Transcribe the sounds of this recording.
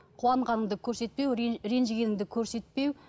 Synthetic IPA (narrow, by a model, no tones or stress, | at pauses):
qʰuwɑɴʁɑnəɴd̪əkʲʰɵɾse̞t̪̚pe̞wɾe̞nʒɪɡʲe̞nɪŋd̪ɪkʲʰɵɾse̞t̪pe̞w